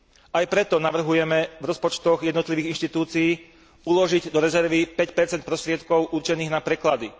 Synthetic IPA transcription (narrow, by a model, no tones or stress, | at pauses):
ajpɾɛt̪ɔnaʋr̩ɦujɛmɛvɾɔspɔt͡ʃt̪ɔɣjɛd̪nɔt̪liʋiːɣinʃt̪it̪uːt͡siiː | ulɔʒiɟd̪ɔɾɛzɛɾʋipɛcpɛɾt͡sɛnt̪̚pɾɔst̪ɾɪɛt̪kɔʊʔuɾt͡ʃɛniːɣnapɾɛklad̪i